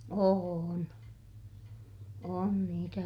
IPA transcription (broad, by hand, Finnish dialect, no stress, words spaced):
oːn on niːtæ